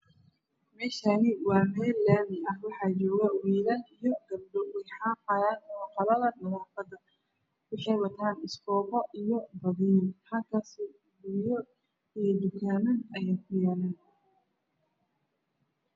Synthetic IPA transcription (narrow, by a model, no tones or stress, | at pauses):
mɛːʃanɪwɑːmɛːlːaːmɪɐhwɑħɑːd͡ʒɔːɣɐwiːlɐlijɔɡɐb̚ɖɔwɪħɑːfɑjaːnɔːqɐlɐðɐɖɐwɑːfɐd̪ɐ | wʊħɑjwɐt̪ʰaːnɪskɔːqɔʔijɔbɐðiːnhɐlkʰas | bʊjɔ | id̪ʊkʰaːnɐnɐjaːkʰʊjaːlaːn